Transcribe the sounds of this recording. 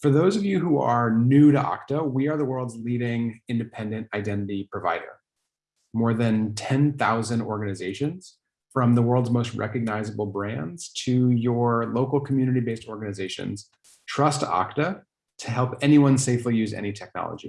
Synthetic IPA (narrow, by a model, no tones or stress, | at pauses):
fə˞ðoʊzʌvjɨɦuə˞nʉɾɨʔɑ̰ktəwiə˞ðəwɜ˞lˠdzliɾɪ̃ŋɪ̃ndɨpʰɛ̃ndɨ̃ntaɪdɛ̃ñɨɾipʰɹ̥ɨva̰ɪɾə̰˞ | mɔɹðɨ̃ntʰɛ̃nθaʊzɨ̃ndɔɹɡɨnɨzeɪʃɨ̃nz̥ | fɹʌ̃mðəwɜ˞lˠdzmoʊst̚ɹʔɛ̰kɨɡ̚naɪzəbl̩ˠbɹæ̃ndz̥tʰɨjə˞loʊkl̩ˠkʰm̩jʉnɨɾibeɪstɔɹɡɨnɨzeɪʃɨ̰̃nz̥ | tʰɹ̥ʌstʰɑ̰ktɨ | tʰɨɦɛlˠpɛniwʌ̃nseɪflijʉzɛ̰ñitʰɛk̚nɑ̰lˠə̰d͡ʒḭ